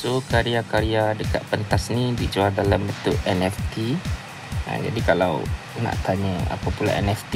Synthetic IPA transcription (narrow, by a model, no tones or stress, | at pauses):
sokaɾiakaɾiadəka̰t̪̚pənt̪asnibid͡ʒualdalambənt̪ʊʔɛnɛft̪i | ə̰̃d͡ʒa̰dikala̰w | na̰ʔt̪aɲəa̰papula̰ʔɛ̰nɛft̪